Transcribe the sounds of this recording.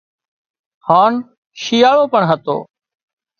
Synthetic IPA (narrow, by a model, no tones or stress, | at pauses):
haːn | ʃiːjaːɽoːpəɳɦət̪o̰ː